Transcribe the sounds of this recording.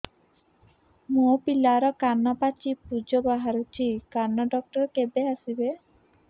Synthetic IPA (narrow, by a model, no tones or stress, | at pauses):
mopilaɾɔkanːapat͡ʃʰipud͡ʒɔbaɦaɾut͡ʃʰikanːaɖɔk̚ʈɔɾɔkebeasibe